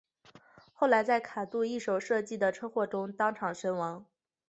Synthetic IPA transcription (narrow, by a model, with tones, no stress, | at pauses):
xo˥˩ʊla˧˥ɪt͡sa˥˩ɪkʰa˨˩t̪u˥˧i˥˩ʂo˨˩ʊʂɤ˥˧t͡ɕi˥˩d̪ə˩ʈ͡ʂʰɤ˥xwɔ˥˩ʈ͡ʂʊ˥ŋt̪ɑ˥ŋʈ͡ʂʰɑ˨˩ŋʂə˥nwɑ˧˥ŋ